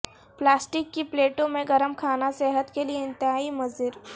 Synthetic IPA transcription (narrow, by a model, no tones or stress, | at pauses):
plaːsʈɪkːipleːʈõmẽɡɐɾəmkʰaːnasɛɦət̪kelieɪ̃nt̪ɪɦaːimɐzɪɾ